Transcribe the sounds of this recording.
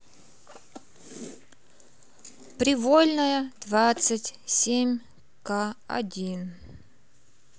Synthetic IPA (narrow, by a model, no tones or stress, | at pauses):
pɾʲɪvolʲnəjəd̪̥vat̪sɨtʲsʲemʲ | kaɐ̰dʲin